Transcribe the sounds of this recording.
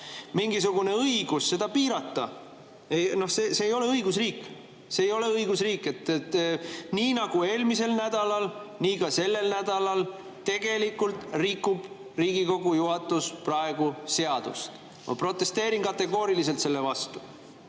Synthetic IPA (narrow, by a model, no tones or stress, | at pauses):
miŋɡisuɡ̥une̞ɤiɡ̥usse̞d̪̥ɑpiːɾɑt̪ːɑ | ejno̞hseːseːjo̞le̞ɤiɡus̬riːkːˑ | se̞ːjo̞le̞ɤiɡ̥usriːkːˑe̞t̪ːet̪ːniːnɑɡ̥ue̞ːlmise̞lnæd̪̥ɑlɑlniːkɑse̞lːe̞lnæd̪̥ɑlɑl | t̪e̞ɡ̥e̞likːult̪rikːˑub̥ | riːɡ̥iko̞ɡujuɦɑt̪ːˑusprɑe̞ɡ̥use̞ɑd̪̥ṵst̪ | mʔɑ̰pro̞t̪ˑːe̞st̪e̞ːɾinkɑt̪ːe̞ɡ̥o̞ːɾilise̞lt̪se̞lːevɑst̪u̥